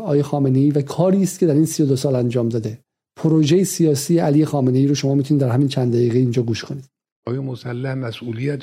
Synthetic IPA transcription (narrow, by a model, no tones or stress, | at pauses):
ɒːjexɒːme̞ne̞iːvækʰɒːɾiːst̪̚cʰe̞d̪æɾiːnsijod̪osɒːlænd͡ʒɒːmd̪ɒːd̪e̞ | pʰoɾoʒejesijɒːsiːeʔælijexɒːme̞ne̞jiːɾoʃo̞mɒːmit̪ʰunid̪æɾɦæmiːnt͡ʃʰænæjiːɣeind͡ʒɒːɡuːʃkʰo̞niːd̪ | ɒːjemosælːæhmæsuːlijæt̪